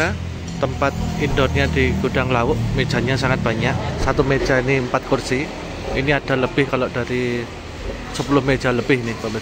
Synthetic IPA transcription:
a | t̪ːəmpat̪̚indɔt̪ɲadiɡ̥ud̥aŋlawʊʔmed̥ʒ̥a̤ɲasaŋat̪̚b̥a̤ɲaʔsat̪umed̥ʒ̥ainiəmpat̪̚kursi | iniad̥a̤ləb̥ɪhkaloʔd̥aɾi | səpulʊhmed̥ʒ̥a̤ləb̥ɪhinɪkɔme

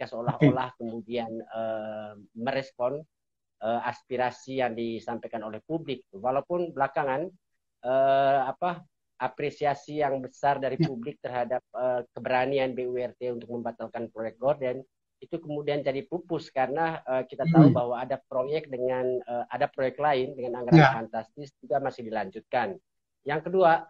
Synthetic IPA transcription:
kasəolaɦolahkəmudianə | məɾɛspɔn | əaspiɾasijaŋdisampajkanolɛhpublɪk̚t̪uwalaupʊnbəlakaŋan | əapa | ʔapɾesiasijaŋbəsardaɾipublɪk̚t̪ərɦadap̚əkəbəɾanianbeuɛrt̪eunt̪ʊk̚məmbat̪alkanpɾojɛk̚ɡordɛn | it̪ukəmudiand͡ʒadipupʊskaɾənaəkit̪at̪aubahwaːdap̚ɾojɛk̚dəŋanəʔadapɾojɛk̚t̪laɪndəŋanaŋətafant̪ast̪ɪsd͡ʒuɡamasɪhdilaɲd͡ʒut̪̚kan | jaŋkədua

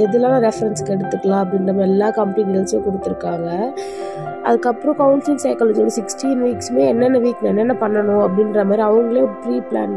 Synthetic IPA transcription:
ɛðɯlaːnaɾɛfɐɾɛnskɛɽɯt̪ːɯkːɐɭãːɐp̬ːɐɽɪnɾɐmːɐɛlːaːkɐmpiɡnɐnsjõːkʊɽɯt̪ːɯɾɯkːaːŋɡɐ | ʔɐ̰ðɯkːɐpːɯɾõkɐʊnsɪlsɐɪkaːlɐːd͡ʒinɐsɪksʈiːnʋiːksmeːɛnːɛnːɐʋiːkːnɛnːɛnːɐpɐɳːɐnʊ̃ɐpːɐɽɪnɾɐmaːd̪ɾiɐʋɐŋɡɐɭepɾiːpla̰ːn

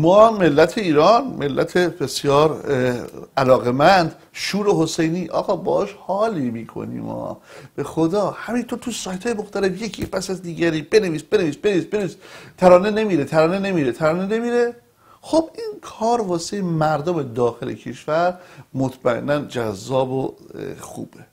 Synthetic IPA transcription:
mɒːme̞lːæt̪ʰeiːɾɒːnme̞lːæ̰t̪ʰebe̞sjɒːɾ | ælɒːɣe̞mænd̪ | ʃuːɾeɦosejniːʔɒ̰ːɣɒːbɒ̰ːʔɒʃhɒːlimiːkʰo̰nḭːmɒ̰ːb̥e̞xod̪ɒːhæmint̪ʰoɾt̪ʰusɒːjt̪ʰhɒːjemo̞xt̪æle̞fjecʰepʰæsæzd̪iːɟæɾiːbe̞ne̞viːsbeneviːsbeneviːsb̥enevist̪ʰæɾɒːne̞ne̞miːɾe̞t̪ʰæɾɒːnenemiːɾet̪ʰæɾɒːne̞ne̞miːɾe̞ | xobiːnkʰɒːɾvɒːsejemæɾd̪ome̞d̪ɒːxe̞lḛcʰe̞ʃvæɾmot̪ʰmæḛnːænd͡ʒæzːɒːboxṵːb̥e

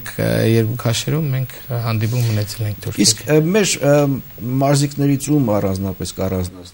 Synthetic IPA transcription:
kʰjɛɾkukʰɑʃɛɾumːɛŋkʰhɑnd̪ipumːənɛt͡sʰɛlɛŋk̚ʰt̪ʰuɾiskʰmɛɾ | mɑɾziknɛɾit͡sumɑrɑnd͡znɑpɛskɑrɑnz

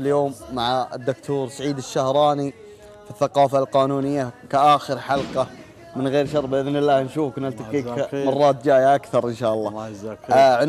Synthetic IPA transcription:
ɪljoːmːaʕaɪd̪ːʊkt̪ʰuːɾsaʕiːd̪ɪʃːahɾˤɑːni | fiθːaqɑːfalqɑːnuːnɪjːakaʔaːxɪɾħalqɑ | mɪnɣeːɾʃɑɾˤbʔɪðnɪlːaːhnʃuːfkɪnalt̪aiːkmɑrˤːɑːt̪̚d͡ʒaːjaʔakθɑɾˤʔɪnʃaːʔɑlˤːɑː | ʕɪ

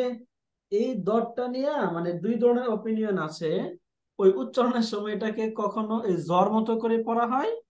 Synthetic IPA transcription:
ejd̪ɔɾ̚ʈanijamaned̪ujd̪ʱɔɾɽ̃eɾopinijonat͡ʃʰe | ojʔutːʃɔɾɔneɾsɔmɔjʈ̬akekɔkʰonoʔejzɔɾmɔt̪okoɾipɔɾaɦɔj

